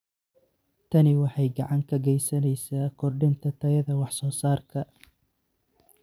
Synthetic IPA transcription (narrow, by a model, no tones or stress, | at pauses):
t̪ʰɐnɪwɑħɑjɡɑʕɑŋkʰɐɡɛjsɐnɛjsaːkʰɔrɖɪnt̪ʰɐt̪ʰɐjɐðɐwɑħsɔːsaːrkʰɐ